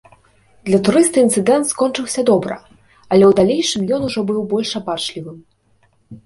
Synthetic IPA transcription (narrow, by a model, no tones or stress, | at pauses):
d̪lʲɐt̪uɾɨst̪ɨint̪sɨd̪ɛnt̪skɔnt͡ʂɨwsʲɐd̪ɔbɾɐ̰ | ɐlʲɛwd̪alʲejʂɨmjɔnuʐɔbɨwbɔlʲʂabat͡ʂlʲivɨm